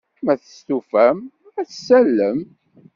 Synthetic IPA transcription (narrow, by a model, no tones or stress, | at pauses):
mæθə̥st̪ufæm | æθəsːælːəm